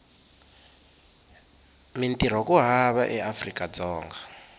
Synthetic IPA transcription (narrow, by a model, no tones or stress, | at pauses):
mintʼiɾ̤ɔkuɦaβaʔɛʔafrikʼad͡zɔːŋɡa